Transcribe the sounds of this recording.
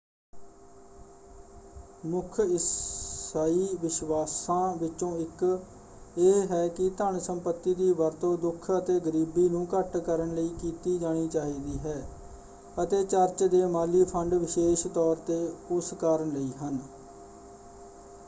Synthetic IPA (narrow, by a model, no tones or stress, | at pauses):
mʊkʰɪ | aːiːʋɪʃʋaːsãːʋɪt͡ʃõːɪk | eɦɛːkɪt̪əɳsəmpət̪ːiːd̪iːʋəɾt̪õːd̪ʊkʰət̪eːɡəɾiːbiːnũːkəʈkəɾəɳləiːkiːt̪iːd͡ʒaːɽ̃iːt͡ʃaːɦiːd̪iːɦɛː | ət̪eːt͡ʃəɾt͡ʃd̪eːmaːliːpʰəɳɖʋɪʃeːʃt̪ɔːɾt̪eːʊskaːɾəɳləiːɦən